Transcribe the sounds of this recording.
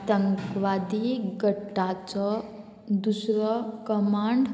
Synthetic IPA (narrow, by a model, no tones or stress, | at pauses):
t̪əŋkʋad̪iɡəʈːat͡sʌ | d̪usɾʌkəmaɳɖ